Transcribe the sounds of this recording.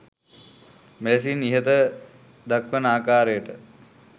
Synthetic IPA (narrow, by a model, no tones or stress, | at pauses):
meles̬iniɦət̪ə | d̪akʋənaːkaːɾəjəʈə